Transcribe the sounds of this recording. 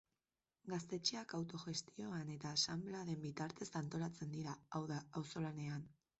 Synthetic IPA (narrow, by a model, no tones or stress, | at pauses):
ɡast̪e̞t͡ʃeakawt̪o̞ʝe̞st̪io̞ane̞t̪aːsamblaðe̞mbit̪aɾt̪e̞sant̪o̞lat͡se̞nd̪iɾaawðaawso̞lane̞an